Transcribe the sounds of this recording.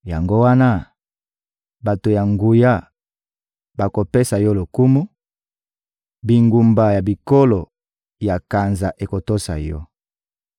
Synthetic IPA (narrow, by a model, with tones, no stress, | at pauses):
ja˨ŋɡo˦wa˦na˦ | ba˨to˨ja˨ŋɡu˨ja˦ | ba˨ko˨pe˦sa˨jɔ˦lo˨ku˦mu˦ | bi˨ŋɡu˨mba˨ja˨bi˨ko˦lo˨ | ja˨ka˨nza˨ʔe˨ko˨to˦sa̰˨jɔ˦